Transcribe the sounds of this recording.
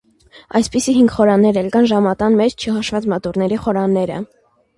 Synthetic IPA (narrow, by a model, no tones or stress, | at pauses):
ɑjspisiɦiŋɡχɔɾɑnːɛɾɛlkɑnʒɑmɑt̪ɑnmɛt͡ʃʰt͡ʃʰəɦɑʃvɑt͡smɑt̪uɾnɛɾiχɔɾɑnːɛɾə̰